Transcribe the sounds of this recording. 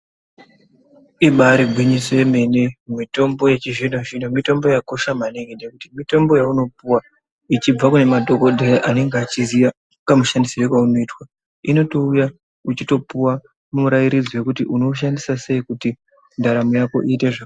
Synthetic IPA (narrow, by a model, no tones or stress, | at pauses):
iɓaɾiɡʱwiɲisojeme̞nemmito̞mbo̞je̞t͡ʃiʐinoʐinomito̞mbo̞jako̞ʃamaneŋɡenekutimito̞mbo̞jauno̞p̚uwa | it͡ʃib͡vakune̞madʱo̞ko̞dʱeʔane̞ŋɡeat͡ʃizija | kamuʃandisiɾekwauno̞iːtwa | ino̞to̞uja | ut͡ʃito̞puwa | mumuɾajiɾid͡zowe̞kutiʔuno̞ʃ̬andisase̞ikuti | ndaɾamujako̞̰ʔiːte̞ʐa